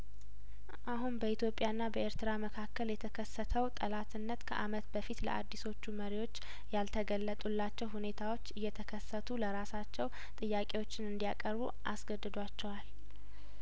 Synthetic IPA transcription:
ʔaɦunbəit̪ʰjo̞pʼjanːabəeɾt̪ɨɾaməkʰakːəljɛt̪ʰəkʰəsːət̪ʰəwt̪ʼəlat̪ʰɨnːət̪kʰəʔamət̪bəfit̪lə̰ʔa̰d̪ːiso̞t͡ʃːuməɾiwo̞t͡ʃː | jalt̪ʰəɡəlːət̪ʼulːat͡ʃːɛwhune̞t̪ʰawo̞t͡ʃːɨjːɛt̪ʰəkʰəsːət̪ʰuləɾasat͡ʃːɛw | t̪ʼɨjːakʼe̞wo̞t͡ʃːɪnɨnd̪ijakʼəɾbu | ʔasɡəd̪ːɨd̪wat͡ʃːɛwal

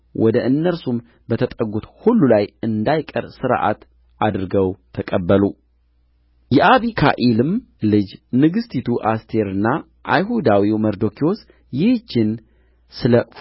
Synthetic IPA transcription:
wʔɔd̪əʔɨnːəɾsum | bət̪ʰət̪ʼəɡut̪hulːulajɨnd̪ajkʼə̰ɾsɨɾʔa̰t̪ | ʔad̪ɾɨɡəwt̪ʰəkʼəbːəlu | jɛʔaβikʰa̰ʔilɨm | lɨd͡ʒnɨɡɨst̪ʰit̪ʰuʔast̪ʰe̞ɾɨnːa | ʔa̰jɦud̪awiwməɾd̪o̞kʰio̞s | jɪhd͡ʒɪn | sɨlə

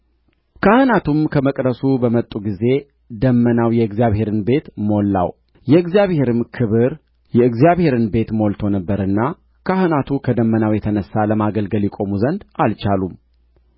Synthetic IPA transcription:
kʰahɨnat̪ʰumkʰəməkʼɾəsubəmət̪ʼːuɡize̞ | d̪əmːənawjɛɨɡzijaβhe̞ɾɨnbe̞t̪mo̞lːa̰w | jɛɨɡzijaβhe̞ɾɨmkʰɨβɨɾ | jɛɨɡzjaβhe̞ɾɨnbe̞t̪mo̞lt̪ʰo̞nəbːəɾɨnːa | kʰahɨnat̪ʰukʰəd̪əmːənawjɛt̪ʰənəsːaləmaɡəlɡəljikʼo̞muzənd̪alt͡ʃalum

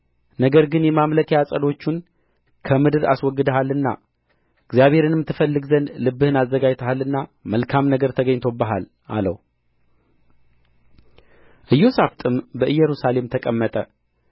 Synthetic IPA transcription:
nəɡəɾɡɨnjɛmamləkʰejasʼəd̪o̞t͡ʃːun | kʰəmɨd̪ɨɾa̰swɔɡːɨd̪əɦalːɨnːa̰ | ɨɡzijaβhe̞ɾɨnmɨt̪ʰːɨfəlːɨɡzənlɨbːɨhɨnazːəɡad͡ʒt̪ʰəhalːɨnːaməlkʰamnəɡəɾt̪ʰəɡəɲːt̪ʰo̞bəɦal | ʔa̰lə̰w | ʔɨjːo̞saft̪ʰʼɨmbəʔɨjːɛɾusale̞mt̪ʰəkʼəmːət̪ʼə

